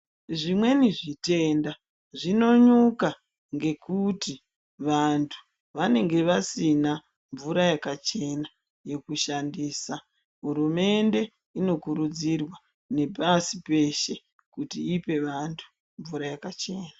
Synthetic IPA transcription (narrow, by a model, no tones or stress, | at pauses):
ʐimwe̞niʐite̞nda | ʐino̞ɲuka | ŋɡe̞kʰuti | ʋantʰu̥ | ʋane̞ŋɡe̞ʋasina | ɱvuɾajakat͡ʃe̞na | je̞kuʃandiːsa | ɦuɾume̞nde̞ | ino̞kuɾud͡zirwa | ne̞pasipe̞ʃe̞ | kutiipe̞ʋantʰu̥ | ɱvuɾajakat͡ʃe̞ːna